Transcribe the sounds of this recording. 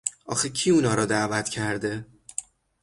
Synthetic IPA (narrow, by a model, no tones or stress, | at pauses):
ʔɒ̰ːxecʰiːunɒːɾɒːd̪ævæt̪ʰcʰæɾd̪e